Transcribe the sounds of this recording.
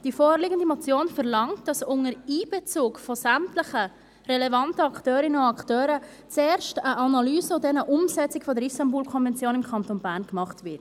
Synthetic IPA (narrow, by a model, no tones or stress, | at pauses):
d̥ifoːɾlɪɡəndimɔt͡sjoːnfɛɾlɑŋt̚d̥ɑsʊŋəɾiːb̥ɛt͡suːkfɔsæmtləχə | rɛlɛvɑntəɑkχtøːɾɪnəʊɑktøːɾə | t͡sɛːɾʃtəʔɑnɑlyːzəɔdɛnəʔʊmsɛt͡sɪkfɔdəɾistɑmbuːlkʰɔnvɛnt͡sjoːnɪmkʰχɑntonbæːɾnkmɑχtvɪt